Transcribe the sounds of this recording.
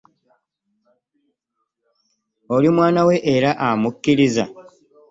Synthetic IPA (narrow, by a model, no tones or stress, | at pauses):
o̞limwaːnawe̞ʔeɾaʔamukːiɾiza